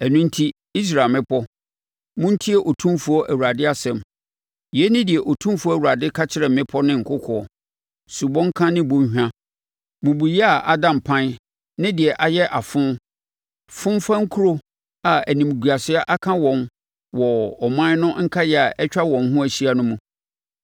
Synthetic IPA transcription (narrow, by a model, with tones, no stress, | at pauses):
ɛ˨nʊ̃˦n̩˦tʰi˦ | i˦s̬ɾa˨mɪ̃˦pʰɔ˦ | mʊ̃˦n̩˦tʰi˦ɛ˦˨ʔɔ˨tʰũ˦mfu˦ɔ˦ʔæ˨wu˨ɾa˨dɪ˦a˦sɛ̃˨m | jɛ˦nɪ̃˦dɪ˨ɛ˨ʔɔ˨tʰũ˦mfu˨˦æ˨wu˨a˨dɪ˦kʰa˦t͡ɕʰɪ˦ɾɛ˨mɪ̃˦pʰɔ˦nɪ̃˦ŋ̩˨kʰʊ˦kʰɔ˨˦ɔ˨ | su˨bɔ̃˦ŋ̩˦kʰã˦nɪ̃˦bʊ̃˨˦hᶣã˦ | mʊ̃˨bu˨jɛ˦a˨ʔa˦dã˨m˨pʰã˦n | nɪ̃˦dɪ˨ɛ˨ʔa˨jɛ˦ʔa˨fʊ̃˦ | fʊ̃˦m˦fã˦ŋ̩˦kʰu˦ɾo˦ | a˨æ˨nĩ˨m˨ɡu˨a˨sɪ˦a˦ʔa˦kʰã˦wɔ̃˨n | wɔ˨ɔ˨mã˦nʊ̃˦ŋ̩˦kʰa˦jɛ˨a˨ʔɛ˦t͡ɕᶣa˦wɔ̃˨mɦʊ̃˦æ˨ɕi˦a˨nʊ̃˦mũ˨